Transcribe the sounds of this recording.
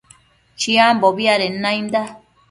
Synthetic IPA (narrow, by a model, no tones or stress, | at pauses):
t͡ʃiamboβiaɾenãĩnd̪a